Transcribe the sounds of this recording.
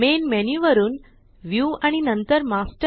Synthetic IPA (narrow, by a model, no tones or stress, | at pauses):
menmɛnjuʋəɾuːn | ʋjuːaɽ̃inənt̪əɾmasʈə